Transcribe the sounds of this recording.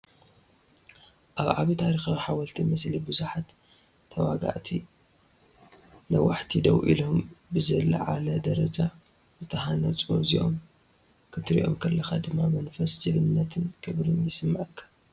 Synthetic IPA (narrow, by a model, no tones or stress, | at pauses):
ʔaβʕaβit̪ʰaɾixawiħawɐlt̪ʰimɐslibɨzuħat̪ʰː | ɐwaɡa̰ʕt̪ʰi | nɐwaħt̪ʰid̪ɐ̰wʔḭlo̞mbɨzɐlɐ̰ʕalɐd̪ɐɾɐd͡ʒa | zɨt̪ʰɐɦanɐt͡sʼo̰ziʔo̰m | kʰɨt̪ɾḭʔo̞̰mkʰɐlːɐxad̪ɨmːamɐnfɐsd͡ʒɨlɨnːɐt̪ʰɨnkʰɨβɾɨnjɪsɨmːaʕɨkʰːḁ